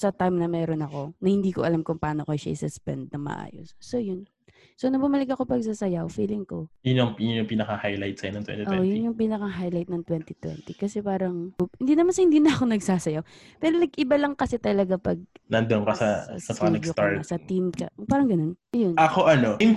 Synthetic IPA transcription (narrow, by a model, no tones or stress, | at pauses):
sɐt̪ajmnɐmɛːɾonɐko̞nɐhɪnd̪iːkoʔɐlamkʊŋpaːnokɐʃa̰ʔɪsʊspɛ̰nd̪̚nɐŋmɐ̰ʔa̰ːjo̰sːojʊn | sonɐbʊmɐlɪkɐko̞pɐɡ̚sasɐjawfiːlɪŋko̞jʊnjʊŋjʊnjʊŋpiːnɐkahajlajt̪̚sɐjnɐŋt̪wɛ̰niʔoɛʔjʊnjʊŋpiːnɐkaɦajlajt̪̚nɐŋt̪wɛnt̪it̪wɛ̰nt̪ikɐsɛpaːɾɐŋhɪnd̪iːnɐmansɐhɪnd̪iːnɐʔɐkonɐɡsaːsɐjaw | pɛɾonɐɡʔɪbalɐŋkɐsɛt̪ɐlɐɡapɐɡ̚nɐnd̪onkɐsɐsɐpɐkɐɐɡsot̪aɹɐsɐt̪imkɐ̰paːɾɐŋɡɐno̞njʊnʔɐkoʔɐnoɪŋ